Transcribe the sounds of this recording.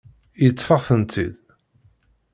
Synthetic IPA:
jət͡s̪ˤːfɑθənt̪ʰḭd̪

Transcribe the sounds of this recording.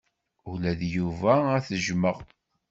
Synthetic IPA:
ulæðjuvææθəʒməʁ

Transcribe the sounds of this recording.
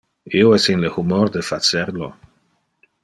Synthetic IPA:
ioɛsinlehumoɾd̪efat͡seɾlo

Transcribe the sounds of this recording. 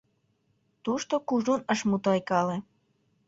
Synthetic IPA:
t̪uʃt̪okuʒunəʃmut̪ɑjkɑle

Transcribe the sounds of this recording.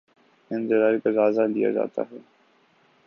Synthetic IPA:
ɪ̃nzɪɾaːɾikazaːzalija̰d͡ʒa̰ːt̪a̰ɦɛː

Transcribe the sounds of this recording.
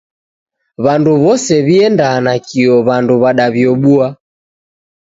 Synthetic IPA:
βanduβɔsɛβiɛndanakiɔβanduβaɗaβjɔɓua

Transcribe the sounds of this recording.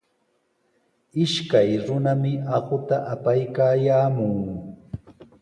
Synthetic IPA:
ɪʃkajɾʊnamɪɑɢʊt̪aʔapajkaːjaːmʊŋ

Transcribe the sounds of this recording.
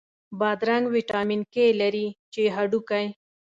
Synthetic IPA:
bɑd̪ɾaŋɡwiʈɑminkelaɾit͡ʃeɦaɖukaj

